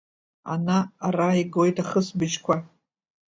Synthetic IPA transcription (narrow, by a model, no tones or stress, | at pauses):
a̰naːraiɡojtʰaχəsbɨt͡ʃkʷʰa